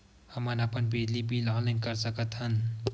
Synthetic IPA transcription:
həmənapənbed̪libʱilɔ̃lɪ̃ŋkəɾsəkət̪ɦən

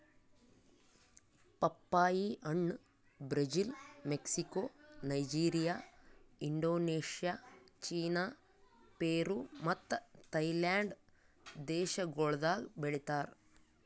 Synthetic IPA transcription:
pɐpːaːjiʔɐɳːɨ | bɾɐd͡ʑilmeksikːoːnɐjd͡ʒiːɾijaːiɳɖoːneːʂijat͡ʃiːnaː | peːruːmɐt̪ːɐt̪ɐjlaːɳɖ | d̪eːɕɐɡoːɭd̪aːɡbeɽit̪ːaːr

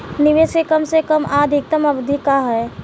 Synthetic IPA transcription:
nɪʋeskekəmsekəmaːd̪ʱɪk̚t̪əməbd̪ʱɪkaɦɛ

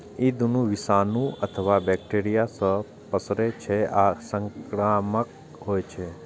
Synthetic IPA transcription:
id̪unũʋisanũət̪ʰəʋabɛk̚ʈeɾijasə | pəsɾet͡ʃʰeasəŋkɾamək̚ | ɦojt͡ʃʰe

